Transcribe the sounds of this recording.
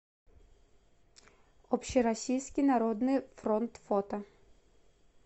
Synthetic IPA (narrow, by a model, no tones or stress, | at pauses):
ɔpɕiɾasʲijsʲkʲinaɾɔd̪nɨfɾɔnt̪fɔt̪ɐ